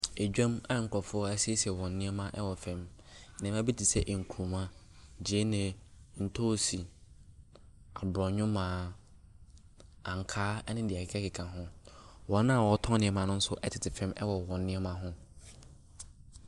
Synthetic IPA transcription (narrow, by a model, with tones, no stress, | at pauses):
e˨d͡ʑᶣã˦mã˦˨ŋ̩˨kʰɔ˨fʊ˦ɔ˦ɛ˦si˦e˦si˨ɛ˨wɔ̃˨nː˦ɪ̃˦ɛ˦mã˦ʔɛ˦wɔ˨fɛ̃˦m˨nã˨m˦ã˦bi˦tʰi˨sɛ˦ʔŋ̩˨kʰu˨mã˦ | d͡ʑi˨e˦nɪ̃˨ | n̩˨tʰo˦˨si˨ | a˨bɾɔ˨ɲʊ̃˦mãː˨˦ | ã˨ŋ̩˨kʰaː˦ɛ˦nɪ̃˦dɪ˨a˨kɪ˦kʰɛ˦kʰɪ˨kʰã˨ɦʊ̃˦wɔ̃˨nːã˦˨wɔ˨˦tʰɔ̃˦nɪ̃˦ɛ˦mã˨nʊ̃˦n̩˦sʊ˦ʔɛ˦tʰɪ˨tʰɪ˨fɛ̃˦mɛ̰˦wɔ˨wɔ̃˨nː˦ɪ̃˦ɛ˦mã˦ɦʊ̃˦